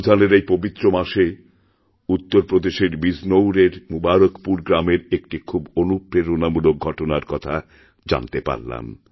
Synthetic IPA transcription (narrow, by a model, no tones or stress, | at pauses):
d̪ʱaneɾejpobit̪ːɾomaʃe | ut̪ːoɾpɾod̪eʃeɾbiznowɾeɾmubaɾokpuɾɡɾameɾek̚ʈikʰubonupɾeɾonamulok̚ɡʱɔʈonaɾkɔt̪ʰa | d͡ʑa̰nt̪epa̰ɾla̰m